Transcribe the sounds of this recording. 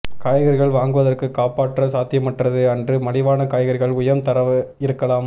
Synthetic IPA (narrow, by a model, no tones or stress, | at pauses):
kaːjɣɐɾɣɐɭʋaːŋɡɯʋɐðɐrkɯkːaːpaːʈːrɐsaːt̪ɪjɐmɐʈrɐðɯɐndrɯmɐɽɪʋaːnɐkaːjɣɐɾɣɐɭʊjɐmt̪ɐɾɐʋɪɾɯkːɐlaːm